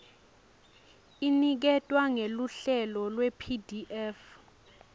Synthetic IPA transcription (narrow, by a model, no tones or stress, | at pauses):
inik̬ɛtʼwaŋeluɬɛlɔlwepʰidiʔɛf